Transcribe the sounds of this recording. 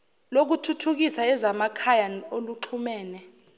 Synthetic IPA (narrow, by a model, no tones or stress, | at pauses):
lok̬utʰutʰuk̬isaɛzamakʰajanoluǁʰumɛːnɛ